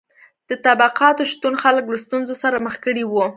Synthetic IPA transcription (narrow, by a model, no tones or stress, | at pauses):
d̪̥ət̪abaqɑt̪oʃt̪unxaləklast̪unzosaɾaməxkəɽiwu